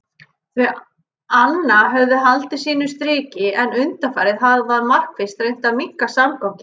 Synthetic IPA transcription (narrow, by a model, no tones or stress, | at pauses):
θɪ | anːaɦœvðʏɦalt̪ɪsiːnʏst̪ɾɪːcɪɛnʏnt̪afaːjɾɪðɦaðvaɾmar̥kfɪst̪ɾeɥjn̥t̪avmiŋ̥kasamkawcɪ